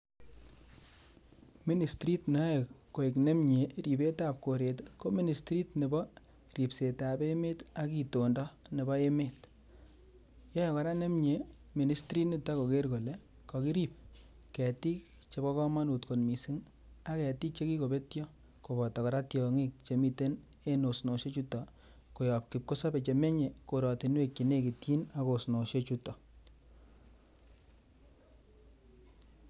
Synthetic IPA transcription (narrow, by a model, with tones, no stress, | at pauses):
mi˦ni˨stɾi˦tnɔ˨˦e˨kkːo˨i˨kne˦mɲe˨ɾi˨pe˦ta˨p̚ko˨ɾe˨tko˦mi˦ni˨stɾi˦tne˨bɔ˦ | ri˨pse˨ta˨be˦me˦ta˨˦ki˨to˨ndɔ˦ne˨bɔ˦e˦me˦t | jɔ˦je˨kɔ˨ɾa˦ne˦mɲe˨ | mi˨ni˨stɾi˦ni˦ta˦ko˨ke˦ɾko˨le˦ | kɔ˨ki˦ɾi˦p̚ | kɛ˨ti˦k | t͡ʃe˨kɔ˦kɔ˦ma˦nu˨tko˨nmi˨si˦ŋ | a˦kɛ˨ti˦k̚t͡ʃe˦ki˦ko˨pe˦tjɔ˦ | ko˨bɔ˨tɔ˨kɔ˨ɾa˦tjɔ˨ŋi˦k̚t͡ʃe˨mi˨te˦ne˦no˨sno˨ʃe˦t͡ʃutɔ˨ | ko˨jɔ˨p̚ki˨p̚ko˦sa˦pe˨t͡ʃe˨me˦ɲe˨ko˨ɾɔ˨ti˨nwe˦kt͡ʃi˨ne˦˨ki˨tji˦na˦ko˨sno˨ʃe˦t͡ʃutɔ˨